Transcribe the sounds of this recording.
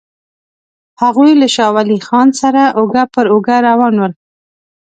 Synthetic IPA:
haɣujlaʃɑwalixɑnsaɾaʔʊɡapəɾʊɡaɾawɑnwəl

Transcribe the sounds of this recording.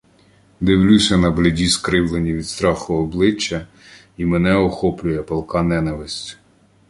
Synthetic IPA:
d̪ɪwlʲusʲɐnɐblʲedʲiskɾɪwlˠenʲiʋʲid̪st̪ɾɑxʊɔblˠɪt͡ʃːɐ | imenɛɔxɔplʲʊjɛpɐlˠkɑnɛnɐʋɪsʲtʲ

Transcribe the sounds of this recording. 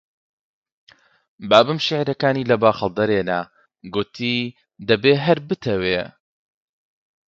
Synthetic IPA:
baːbɨmʃɪʕɾɐkaːniːlɐbaːxəlˠd̪ɐɾeːna | ɡʊt̪ʰiː | d̪ɐbeːɦɐɾbɨt̪ʰɐweː

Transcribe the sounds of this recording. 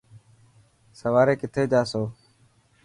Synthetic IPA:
səʋaːɾeːkɪt̪ʰeːd͡ʒaːsoː

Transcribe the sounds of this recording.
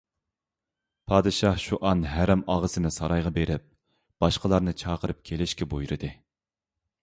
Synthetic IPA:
pʰɑːd̪ɨʃɑhʃuʔɑnɦæɾɛmɑʁəsɨnɨsɑɾɑjʁɑbeɾɪp̚ | b̥ɑʃqəlˠɑɾnɨt͡ʃʰɑːqʰəɾɨp̚kʲʰelɪʃkʲɛbojɾɨd̪ɨ

